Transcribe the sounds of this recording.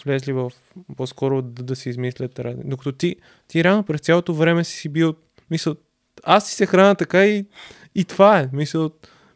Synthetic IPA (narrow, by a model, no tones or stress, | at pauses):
vlʲɛzlivəf | pɔskɔɾod̪ɐsiizmislʲət̪ɾa̰d̪okɐt̪ɔt̪i | t̪iɾɛavnopɾɛst̪sʲalˠot̪ovɾɛmɛsi̥sibi | misəlˠ | ast̪i̥sɛxɾanət̪ɐkaiː | t̪vaɛmisəlˠ